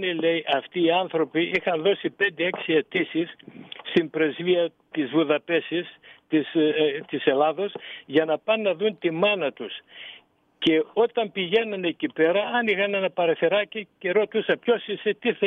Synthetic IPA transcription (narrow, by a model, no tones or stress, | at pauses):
nelejʔɐft̪iːɐnθɾo̞piixɐnðo̞sipe̞nd̪ee̞ksie̞t̪isisːt̪impɾe̞zviɐ | t̪izvuðɐpe̞sist̪ist̪ise̞lɐðo̞sʝɐnɐpɐnːɐðunt̪imɐnɐt̪us | ce̞o̞t̪ɐmpiʝe̞nɐne̞cipe̞ɾɐɐnixɐnenɐpɐɾeθeɾɐcice̞ɾo̞t̪usɐpço̞sise̞t̪iθ